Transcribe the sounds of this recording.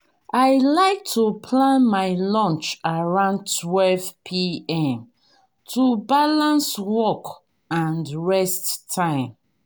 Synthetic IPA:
aɪlaɪk̚tʰupʰlãnmaɪlɔ̃nt͡ʃaɹãʊ̃ndtʰwɛlvpʰiɛ̃m | tʰubalãnswɔk | ãnɹɛstːʰãɪ̃m

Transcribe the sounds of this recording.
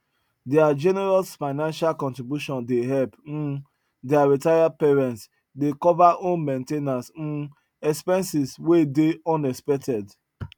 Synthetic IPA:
dead͡ʒɛnɛɾalsfaɪnãnʃalkɔ̃ntɾibjuʃɔ̃ndeɦɛlp̩ | deaɾitajapɛɾɛ̃nts | dekɔvaʔõnmẽntenas̩ | ɛkspɛ̃nsiswedeɔ̃nɛspɛk̚tɛd

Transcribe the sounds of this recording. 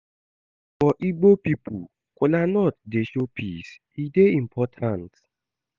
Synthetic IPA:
fɔʔiɡ͡bopipṵ | kʷʊlanɔt̚deʃopʰis | ideĩm̩pʰɔtʰãnt

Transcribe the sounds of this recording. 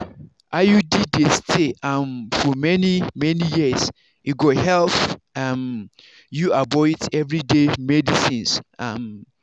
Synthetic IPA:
ʔajudidestʰeãmfɔmɛnimɛnijiəs | juɡɔhɛlθam | juabɔdɛvɹidemɛdisĩnsam

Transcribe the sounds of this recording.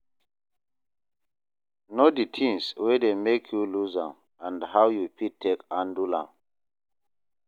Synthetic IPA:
noditʰĩŋswɛdemekʰjuluzã̰m | ãndhawjupitʰːekãndulã̰m

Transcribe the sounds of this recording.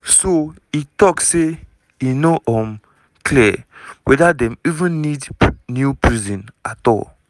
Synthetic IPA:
so | itɔkse | jinoʔɔ̃m | kʰliwɛdadɛ̃mivə̃nːidnjupʰɹizɔ̃natɔ̰l

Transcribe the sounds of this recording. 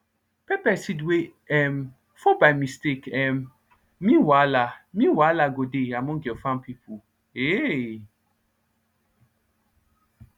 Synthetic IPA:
pɛpɛsidwe | ɛm | fobajmistekɛm | mĩwalamĩwalaɡodeamɔ̃ɡofãmpʰipʰu | e

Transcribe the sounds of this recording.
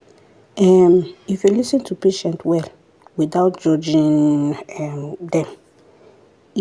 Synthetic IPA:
ɛmifjulisĩntʰupeʃɛ̃ntwɛl | widaʊt̚d͡ʒɔd͡ʒĩnɛdɛ̃m

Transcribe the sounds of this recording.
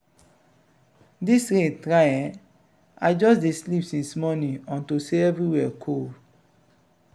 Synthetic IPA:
disɾẽtɹajɛ̃ | aɪd͡ʒɔsdeslipsĩnsmɔnĩɔ̃ntuseɛvɹiwɛkʰo

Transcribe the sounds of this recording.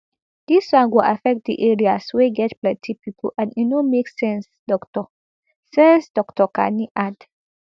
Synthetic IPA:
d̥iswãnɡoʔafɛk̚t̚dḭʔeɹiasweɡɛtplɛ̃tʰipipʰo̰ʔãninomeksɛ̃nsdɔktɔ | sɛ̃nsdɔktɔkã̰niʔad

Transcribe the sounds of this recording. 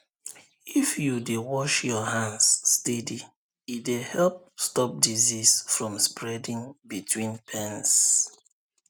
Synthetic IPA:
ifjudewɔʃjɔhãnsːtɛdi | idehɛlp̚stɔp̚dizisfɹɔ̃mspɹɛdĩŋbitʰwĩnpʰɛ̃ns

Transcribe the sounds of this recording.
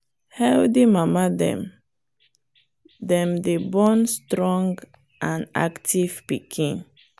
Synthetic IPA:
hɛldimamadɛ̰̃m | dɛ̃mdebɔ̃nstɹɔ̃ŋɡ | ʔãna̰ktiv̥pikʰĩn

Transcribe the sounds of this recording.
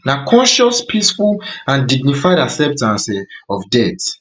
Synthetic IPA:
nakʰɔ̃nʃɔspʰisfulãndiɡ̚nifajdasɛp̚tãnsɛɔfdɛt

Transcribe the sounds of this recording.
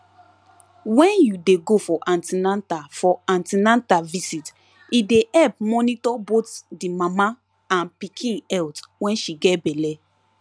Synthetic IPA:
wɛ̃njudeɡofɔʔãntinãntafɔãntinãntavisit | ideɛlp̚mɔnitɔbotdimama | ãnpikʰĩɛltwɛ̃nʃiɡɛtbɛlɛ

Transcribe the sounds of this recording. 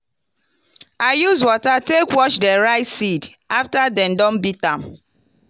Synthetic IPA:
aɪjuzwɔtatekwɔt͡ʃdɛɹaɪtsid | aftadɛ̃ndɔ̃nbitãm

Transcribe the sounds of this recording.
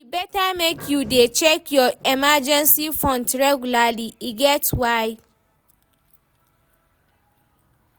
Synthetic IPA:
ibɛtamekʰjudet͡ʃʰɛkʰjɔɛmad͡ʒɛ̃nsifɔ̃ntɹɛɡjulaliiɡɛtwaɪ

